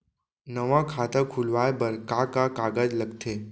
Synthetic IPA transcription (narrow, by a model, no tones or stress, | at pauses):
nəʋãkʰat̪əkʰulʋajbəɾkakakaɡad͡ʑləkt̪ʰe